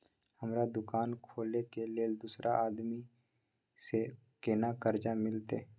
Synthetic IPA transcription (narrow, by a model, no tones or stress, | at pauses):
həmɾad̪ʊkaːnkʰoːlekeleːld̪usɾʔaʔaːd̪mi | se | kenakəɾd͡ʒamɪlt̪e